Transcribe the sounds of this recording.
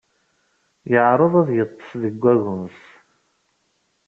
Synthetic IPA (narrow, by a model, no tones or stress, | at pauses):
jəʕɾˤəðˤæðjət̪ˤːə̥fðəɡʷːæɣʊms